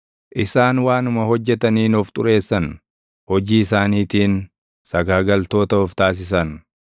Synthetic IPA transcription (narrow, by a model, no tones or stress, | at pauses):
ʔɪsaːnwaːnʊmɐhɔd͡ʒːɛt̪ɐniːnɔft̪ʼʊɾe̞ːsːɐn | hɔd͡ʒiːɪsaːniːt̪iːn | sɐɡaːɡɐlt̪o̞ːt̪ɐɔft̪aːs̬ɪs̬ɐn